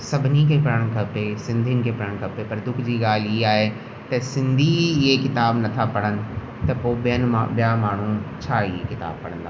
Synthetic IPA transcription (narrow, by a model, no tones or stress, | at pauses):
sɐbʱɪnikʰeːpɐɽəɽ̃kʰɐpesɪ̃nd̪ʱijənɪ̆kʰeːpɐɾəɽ̃kʰɐpepɐɾd̪ʊkʰd͡ʑiːɠaːl̤ɪɦeaːɦe | t̪ɐsɪ̃nd̪ʱiɪɦekɪt̪aːbnɐt̪ʰapɐɽənɪ̆ | t̪ɐpoːɓijənɪ̆mã̰bijamaːɳ̤ut͡ɕʰaːɪɦekɪt̪a̰ːb̚pɐɽ̤̃ə̃nd̪a